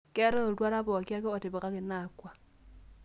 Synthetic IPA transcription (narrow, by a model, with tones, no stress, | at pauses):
ke˦ɾe˦o˨lwa˦ɾa˦βo˨kja˦ke˦o˨ti˨βi˨ka˦ke˨na˨kwa˨